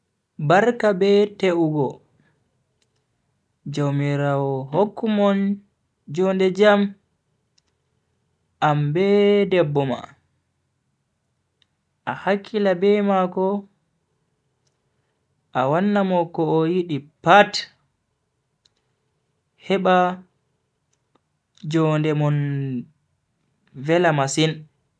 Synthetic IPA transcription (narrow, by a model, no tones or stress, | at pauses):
baɾkabɛteʔuɡɔ | d͡ʒowmiɾawɔɦokːumɔn | d͡ʒɔndɛd͡ʒam | ʔambɛdɛbːɔma̰ | ʔahakʰːilabɛmakɔ | ʔawanːamɔkɔːjiɗipat | hɛɓa | d͡ʒɔndɛmɔn | vɛlamasin